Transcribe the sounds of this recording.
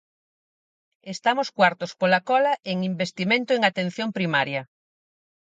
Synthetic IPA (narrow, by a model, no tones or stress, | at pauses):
est̪amʊskwaɾt̪ospolakɔlɐʔeŋimbest̪imẽnt̪ʊeŋat̪en̟θjompɾimaɾjɐ